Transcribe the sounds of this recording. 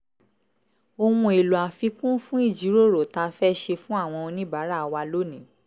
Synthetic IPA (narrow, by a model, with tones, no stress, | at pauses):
o˧wũ˧e˨lu˨a˨fi˨˧kũ˦fũ˦i˦˨d͡ʒi˨˦ɾo˦˨ɾo˨ta˧fɛ˦ʃe˧fũ˦a˦˨w̃ɔ̃˧ɔ̃˧nĩ˦ba˨˦ɾa˦˨˧wa˧lo˦nĩ˨